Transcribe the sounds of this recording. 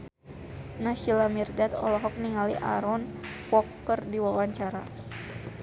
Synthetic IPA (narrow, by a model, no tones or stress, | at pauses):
naʃilamirdat̪ɔ̰lɔɦɔk̚niŋalḭʔa̰ɾɔnpɔkːərdiwawaɲt͡ʃaɾa